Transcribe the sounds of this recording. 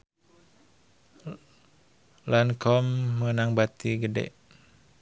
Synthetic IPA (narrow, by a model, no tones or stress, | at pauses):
lankʰɔmːənaŋbat̪iɡədɛ̰ʔ